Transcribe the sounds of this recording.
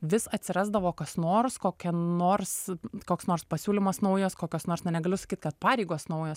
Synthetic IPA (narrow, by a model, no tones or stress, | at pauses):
ʋʲɪsɐt̪ʲsʲɪɾɑːzd̪ɐʋoːkɐsnoːrskoːkʲɛnoːrskoːksnoːrspɐsʲuːlʲɪmɐsnɐʊjoːskoːkʲoːsnoːrsnʲɛnʲɛɡɐlʲʊsɐ̥kʲiːt̪̚kɐt̪̚pɑːɾʲɛɪɡoːsnɐʊjoːs